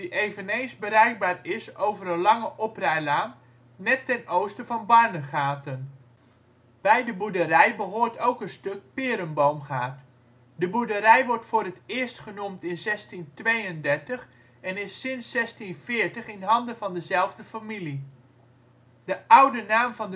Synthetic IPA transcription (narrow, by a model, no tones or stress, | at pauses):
diʔejvənejnzbəɾɛjk̚baːɹɪsowvəɾənlɑŋəʔɔprɛjlaːm | nɛtːɛnowstəvɑnbɑɹnəχaːtən | b̥ɛjdəbudərɛjbəɦoːɹtowkənstɵk̚pɪːɾəmbowmχaːt | dəbudərɛjʋɔɹtfʊːrətɪːɹstχənumtɪnzɛstintʋejəndɛɹtəχ | ɛnɪsːɪnsːɛstinvɪːɹtəχɪnɦɑndəvɑndəzɛlˠvdəfamili | dəʔʌwdənaːmvɑnd